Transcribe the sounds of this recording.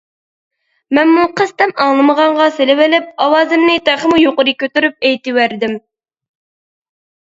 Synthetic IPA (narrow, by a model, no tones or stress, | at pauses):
mɛnmuqʰəst̪ɛmɑŋlˠɨməʁɑɴʁɑselɪwɪlɪp̚ɑwɑːzɪmnɪt̪ʰæχəmujoqʊɾɨkʲʰøt̪yɾyp̚ɛjt̪ɪwæɾd̪ɪm